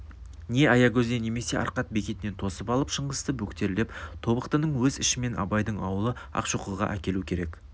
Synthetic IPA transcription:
ne̞ʔɑjɑkʲʰɵzd̪ene̞me̞se̞ʔɑ̰ɾqɑt̪̚be̞kʲe̞t̪ɪne̞nt̪ʰo̞səpɑlˠəpʃəɴʁəst̪əbɵkt̪e̞ɾlept̪ʰo̞bəqt̪ənəɴwɵzɪʃɪme̞nʔɑ̰bɑjd̪əɴɑwəlˠəɑ̰qʃuqəlˠʁɑ̰ʔækʲe̞lukʲʰe̞ɾe̞k

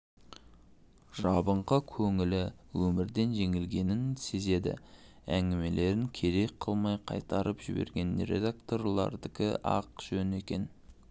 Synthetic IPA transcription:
ʒɑbəɴqəkʲʰɵŋɪlɪwɵmɪɾd̪e̞nʒe̞ŋɪlɡʲe̞nɪnse̞ze̞d̪ɪ̰ | æ̰ŋɡʲɪme̞le̞ɾɪŋkʲʰe̞ɾe̞jqʰːəlˠmɑjqʰɑ̰jt̪ɑɾəpʒɪ̰be̞̰ɾɡʲe̞nɾḛd̪ak̚t̪o̞rlˠɑ̰ɾd̪ɪkʲɪʔɑ̰qʒ̥ɵne̞kʲe̞n

